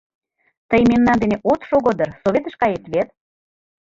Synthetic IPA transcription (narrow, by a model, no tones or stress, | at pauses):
t̪əjmemnɑnd̪eneʔot̪ʃoɣod̪ə̆rsoβʲet̪ə̆ʃkɑjet̪βet̪̚